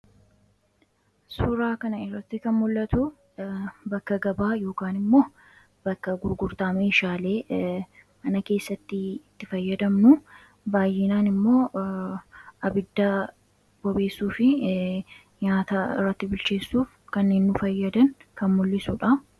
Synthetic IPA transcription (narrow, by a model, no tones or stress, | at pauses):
suɾaːkɐnɐɪrːɐt̪ːɪkɐnmʊlːɐt̪ʊ | bɐkːɐɡɐbaːjo̞ːkaːnɪmːo̞ː | bɐkːɐɡʊɾɡʊɾt̪aːmeɪʃaːle̞ː | ʔɐnɐke̞ːsːɐt̪ːɪɪt̪ːɪfɐjːɐd̪ɐmnʊ | baːjːɪnaːnɪmːo̞ː | ɐbɪd̪ːaː | b̥ɔbe̞ːsːuːfɪ | ɲaːt̪aɪ̰rːɐt̪ːɪbʊlt͡ʃe̞ːsːuːf | kɐnːeːnːʊfɐjːɐd̪ɐnkɐnmʊlːɪsʊᶑɐ